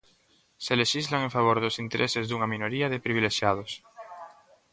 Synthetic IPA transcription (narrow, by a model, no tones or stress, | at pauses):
seleʃizlaŋẽɱfaβ̞oɾðosint̪eɾʔesezðuŋaminoɾiaðepɾiβileʃjað̞os